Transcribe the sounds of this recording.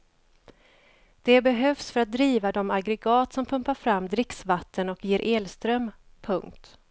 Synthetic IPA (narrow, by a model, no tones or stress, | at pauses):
d̪̥ɛbɛɦœvsfœɾat̪̚d̪ɾiːvad̪ɔmaɡɾɛɡɑːt̪sɔmpʰɵmpaɾfɾamːd̪ɾɪksvat̪ʰːənɔkjeːɾʔeːlst̪ɾœm | pʰɵŋk̚t̪